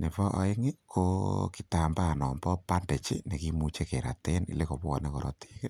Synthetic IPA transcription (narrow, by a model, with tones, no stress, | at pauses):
ne˨pɔ˦ʔa̰˨e˦ŋe˦kʰo˦ki˦ta˨mba˦nɔ˨mbɔ˦pa˦nde˨t͡ʃḛ˦ne˨ki˦mu˦t͡ʃe˦ke˨ɾa̰˨te˦nḭ˨le˦ko˨pɔ˨ne˦kɔ˨ɾɔ̰˦tʰi̥ː˦ke˦